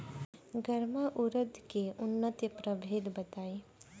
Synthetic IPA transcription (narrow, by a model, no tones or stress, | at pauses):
ɡəɾmaʔʊɾəd̪keʊnːət̪jəpɾəbʱeːd̪bɐt̪aːi